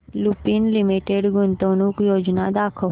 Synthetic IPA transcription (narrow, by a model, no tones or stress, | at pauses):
lupinlimiʈeɽɡʊnt̪onukjod͡ʒnad̪akʰo